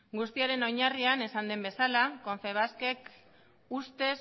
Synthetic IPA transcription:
ɡust̪iaɾe̞no̞jɲariane̞sand̪e̞mbe̞salako̞ɱfe̞β̞aske̞k | ust̪e̞s

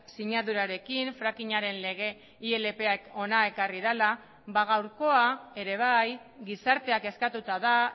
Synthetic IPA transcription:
siɲaðuɾaɾe̞kiɱfɾakiɲaɾe̞nle̞ɣ̞e̞ | ie̞le̞pe̞ako̞nae̞kariðala | βaɣ̞awɾko̞ae̞ɾe̞β̞aj | ɡisaɾt̪e̞ake̞skat̪ut̪aða

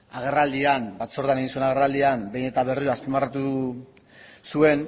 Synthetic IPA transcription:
aɣ̞e̞rald̪ianbat̪so̞ɾðaneɣinsue̞naɣ̞e̞rald̪iambe̞jne̞t̪aβe̞riɾoaspimarat̪u | sue̞n

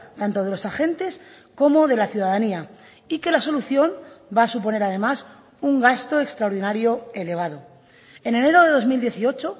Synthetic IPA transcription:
t̪ant̪o̞ð̞e̞lo̞saxe̞nt̪e̞s | ko̞mo̞ðe̞laθjuð̞aðania | ike̞laso̞luθjo̞mbaːsup̬o̞ne̞ɾað̞e̞mas | uŋɡast̪o̞e̞kst̪ɾaoɾðinaɾjoe̞le̞β̞aðo̞ | e̞ne̞ne̞ɾo̞ðe̞ðo̞zmild̪je̞θio̞t͡ʃo

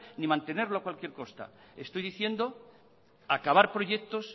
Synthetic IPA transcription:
nimãnt̪e̞ne̞ɾloakwalkjeɾko̞st̪a̰e̞st̪o̞jðiθje̞nd̪o̞ | akaβ̞aɾpɾo̞ʝekt̪o̞s

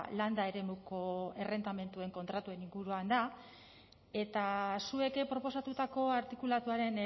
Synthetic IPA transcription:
land̪ae̞ɾe̞muko̞e̞re̞nd̪ame̞nt̪ue̞ŋko̞nt̪ɾat̪ue̞niŋɡuɾuand̪a | e̞t̪asue̞kepɾo̞po̞sat̪ut̪ako̞aɾt̪ikulat̪uaɾe̞n

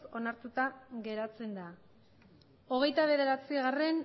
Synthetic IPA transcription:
o̞naɾt̪ut̪aɣe̞ɾat͡se̞nd̪a | o̞ɣ̞e̞jt̪aβ̞e̞ðe̞ɾat͡siɣare̞n

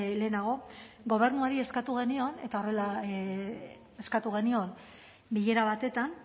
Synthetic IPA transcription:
le̞ːnaɣ̞o̞ | ɣo̞β̞e̞ɾnuaɾie̞skat̪uɣ̞e̞nio̞ne̞t̪ao̞re̞la | e̞skat̪uɣ̞e̞nio̞n | biʎe̞ɾaβat̪e̞t̪an

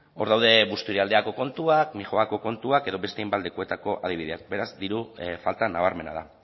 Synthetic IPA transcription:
o̞ɾðawð̞e̞βust̪uɾeald̪e̞ako̞ko̞nt̪uakmixoako̞ko̞nt̪uake̞ðo̞βe̞st̪ejmbald̪ekue̞t̪ako̞ʔað̞iβiðeak̚be̞ɾazd̪iɾufalt̪anaβ̞aɾme̞na̰ða̰

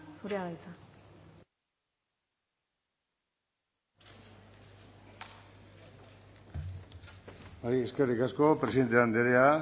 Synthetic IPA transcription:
suɾeaɣajt͡sa | bajeskerikasko̞pɾesiðet̪eand̪eɾea

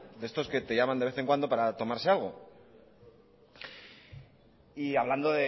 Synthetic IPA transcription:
d̪est̪o̞ske̞t̪e̞ʝamand̪ee̞θe̞ŋkwand̪o̞paɾat̪o̞maɾsealɣ̞o̞ | iaβland̪oðe

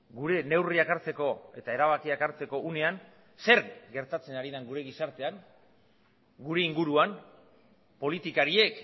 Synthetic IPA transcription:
ɡuɾe̞ne̞wriakaɾt͡se̞ko̞e̞̰t̪ae̞ɾaβakiakaɾt͡se̞ko̞ʔune̞an | se̞ɾɡe̞ɾt̪at͡se̞naɾiðaŋɡuɾe̞ɣisaɾt̪e̞aŋ | ɡuɾe̞iŋɡuɾuan | po̞lit̪ikaɾie̞k

